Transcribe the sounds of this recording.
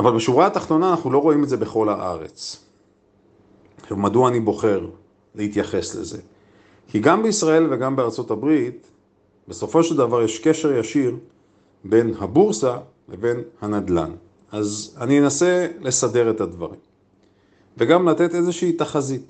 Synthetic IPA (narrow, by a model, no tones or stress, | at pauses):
avalbeʃuvʁaːt̪aχt̪o̞naːnaχnulo̞ʁo̞imetzebe̞χo̞lhaʔa̰ʁe̞̰t͡s | evmaduaːnibo̞χe̞ʁ | leit̪jaχe̞sle̞̰ze̞̰ | kiɡambeisʁae̞lve̞ɡambeaʁt͡so̞tabʁit̪ | be̞so̞fo̞ʃe̞ld̪avaʁjeʃke̞ʃe̞ʁjaʃiʁ | be̞nhabuʁsa | veve̞nhanad̪la̰n | azaninenase̞le̞sade̞ʁetadvaʁḭm | ve̞ɡamlat̪ete̞zeʃiitaχazit